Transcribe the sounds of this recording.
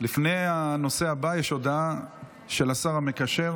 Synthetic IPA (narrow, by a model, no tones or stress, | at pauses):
lifne̞ano̞seabajeʃod̪a | ʃe̞lasaʁame̞kaʃe̞ʁ